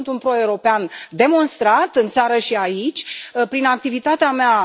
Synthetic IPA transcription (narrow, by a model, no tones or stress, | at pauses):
nt̪unpɾo̞euɾo̞peand̪e̞mo̞nst̪ɾat̪ɨnt̪saɾəʃiait͡ʃʲpɾinak̚t̪ivit̪at̪eamea